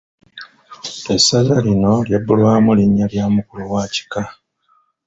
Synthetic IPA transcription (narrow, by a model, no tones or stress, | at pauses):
esːazalino̞ljabːulwaːmuliɲːaljaːmukuluwaːci̥ka